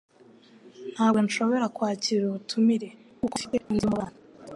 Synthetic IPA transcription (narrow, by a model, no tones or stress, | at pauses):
n̥haːbɡo̞nʃo̞βo̞ɾakwaːciɾuβutʰumiɾe̞kukofiteʔindimuβaːna